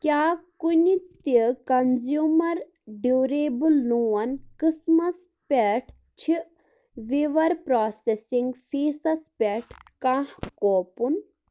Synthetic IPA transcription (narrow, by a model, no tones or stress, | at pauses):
kʲjaːkunit̪ikɐnzjuːmɐɾ | ɖuːɾeːbulnuːɐnkismɐs | pʲeʈʰ | t͡ʃʰi | ʋiʋɐɾpɾaːsesiŋɡfʰeːsɐspʲeʈʰkãːhkoːpun